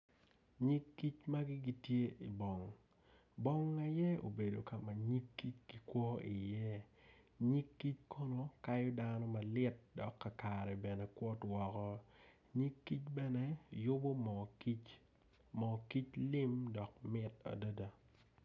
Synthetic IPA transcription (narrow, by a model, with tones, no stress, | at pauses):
ɲi˦kːi˦t͡ʃma˦ɡɪ˦ɡi˦tje˦ʔi˨bɔ˨ŋ | bɔ˦ŋa˨jɛ˦o̰˨be˨do˨ka˨ma˨ɲi˦kːi˦t͡ʃɡi˨kwɔ˦ɪ˨jɛ˦ | ɲi˦kːi˦t͡ʃkʰo˦no˦ka˦jɔ˦danɔ˦ma˨lɪ˦t̚dɔ˨kːa˨ka˨ɾɛ˨bɛ˨nɛ˨kwɔ˦twɔ˨kɔ˦ | ɲi˦kːi˦t͡ʃbɛ˦nɛ˦jo˦bo˦mɔ˨ki˦t͡ʃ | mɔ˨ki˦t͡ʃlɪ˦mdɔ˨k̚mɪ˦ta̰˨də˦da˦